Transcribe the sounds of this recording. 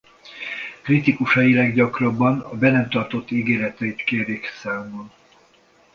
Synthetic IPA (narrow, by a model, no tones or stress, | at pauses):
krit̪ikuʃɒjilɛɡɟɒkrɒbːɒnɒbɛnɛmt̪ɒrt̪o̞t̪ːiɡeːɾɛt̪ɛit̪keːɾiksaːmon